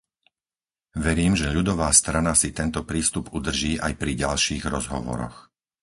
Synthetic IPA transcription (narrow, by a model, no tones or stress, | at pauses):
ʋɛɾiːmʒɛʎud̪ɔʋaːst̪ɾanasit̪ɛnt̪ɔpɾiːst̪upud̪r̩ʒiːʔa̰jpɾiɟalʃiːɣɾɔzɦɔ̰ʋɔ̰ɾɔ̰x